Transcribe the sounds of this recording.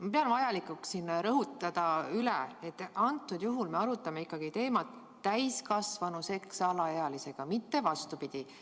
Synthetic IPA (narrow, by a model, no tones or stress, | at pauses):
mɑpeɑnvɑjɑlikuksinɾɤɦut̪ːˑɑd̪̥ɑyleet̪ːˑɑnt̪ːˑud̪̥juɦulme̞ɑɾut̪ːˑɑme̞ikːˑɑɡ̥it̪e̞ːmɑt̪ˑː | æjskɑsvɑnuse̞ksɑlɑeɑlise̞ɡ̥ɑmit̪ːe̞vɑst̪upid̪̥i